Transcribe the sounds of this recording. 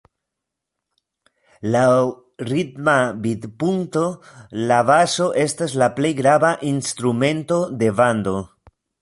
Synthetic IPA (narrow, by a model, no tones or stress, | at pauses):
law | ɾitmabid̪punto̞lavaso̞ʔe̞staslaple̞jɡɾavaʔinst̪ɾume̞nto̞de̞vando̞